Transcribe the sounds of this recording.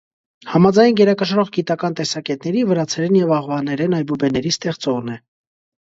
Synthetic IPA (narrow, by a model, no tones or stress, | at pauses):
hɑmɑd͡zɑjnɡɛɾɑkəʃɾɔʁɡit̪ɑkɑnt̪ɛsɑkɛt̪nɛɾivəɾɑt͡sʰɛɾɛnjɛvɑʁvɑnɛɾɛnɑjbubɛnɛɾist̪ɛχt͡sɔʁnɛ